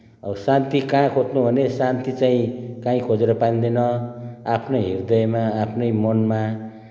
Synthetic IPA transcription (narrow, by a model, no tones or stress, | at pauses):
ʌsãnt̪ikãkʰot͡snubʱʌnesant̪it͡saĩkãĩkʰod͡zeɾʌpand̪enʌapʰnʌjɦird̪ʌjmaːpʰnʌjmʌnma